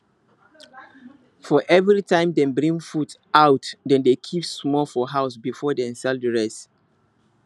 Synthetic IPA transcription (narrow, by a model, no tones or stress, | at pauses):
fɔʔɛvɹitʰãɪ̃mdɛ̃nbɹĩŋfutʔaʊtdɛ̃ndekʰipsmɔlfɔɦaʊsbifɔdɛ̃nsɛldəɹɛs